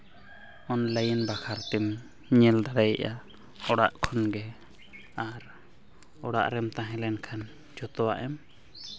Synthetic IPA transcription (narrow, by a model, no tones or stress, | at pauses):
ɔnləjənbakʰaɾt̪ɛm | ɲɛld̪aɽajɛ̰ʔa̰ | ɔɽaʔkʰɔnɡɛ | aɾ | ɔɽa̰ʔɾɛmt̪ãɦɛ̃lɛnkʰan | d͡ʒɔt̪ɔwa̰ʔɛm